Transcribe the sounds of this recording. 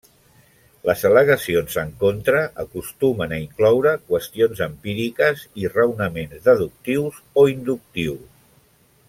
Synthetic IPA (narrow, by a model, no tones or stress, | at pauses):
ləzələɣəsionzəŋkont̪ɾəʔəkust̪umənəiŋklɔwɾəkwəst̪ionzəmpiɾikəzirəwnəmenzðəðuk̚t̪iwz | oind̪uk̚t̪iws